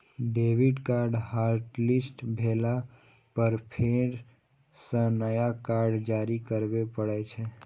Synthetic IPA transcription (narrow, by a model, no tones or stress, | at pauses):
ɖeːʋiɖkaːɾɖɦaːɾʈlɪsʈbʱeːla | pəɾpʰeɾ | sə̃nəjakaːɾɖd͡ʒaːɾikəɾbepəɽɛt͡ʃʰɛ